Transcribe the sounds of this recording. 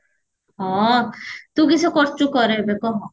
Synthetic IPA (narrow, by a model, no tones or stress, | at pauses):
ɦɔ̃ | t̪ukisʰɔkɔɾt͡ʃukɔɾeɦebekɔɦɔ̃